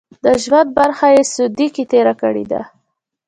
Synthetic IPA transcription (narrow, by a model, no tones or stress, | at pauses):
d̪̥əʒwand̪̚baɾxajesʊd̪ikit̪eɾakə̰ɽḛd̪a̰